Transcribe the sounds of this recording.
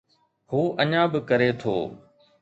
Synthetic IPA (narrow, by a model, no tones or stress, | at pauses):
huːʔəɲãːbɪkəɾeːt̪ʰo̰ː